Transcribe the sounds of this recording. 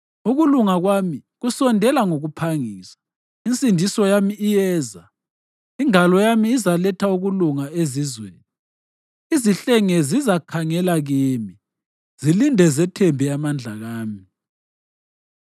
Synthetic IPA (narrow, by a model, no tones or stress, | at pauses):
uɣuluŋaɣwamiɣusɔndʱɛlaŋoɣupʰaŋiːsḁ | int͡sʼindʱisɔjamiːjɛːza | iŋalɔjamiːzalɛtʰauɣuluŋaezizwḛːni | iziɬɛŋɛzizakʰaŋɛlaɣiːmi | z̥ilindʱɛzɛtʰɛmbʱiamand͡ɮʱaɣaːmi